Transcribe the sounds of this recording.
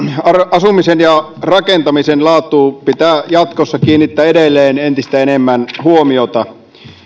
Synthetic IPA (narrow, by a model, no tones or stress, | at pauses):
ɑɑsumisenjɑ | rɑkent̪ɑmisenlɑːt̪ˑuːpit̪æjɑt̪kosːɑkiːnːit̪ːæːedelːeːnent̪ist̪æenemːænhuomiot̪ɑ